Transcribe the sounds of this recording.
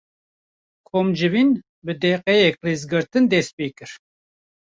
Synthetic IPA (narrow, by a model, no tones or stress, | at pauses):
kʰoːmd͡ʒɨvin | bɨd̪ɛːqɛjɛk̚reːzɡɨɾt̪ɨnd̪ɛst̪̚peːkɨɾ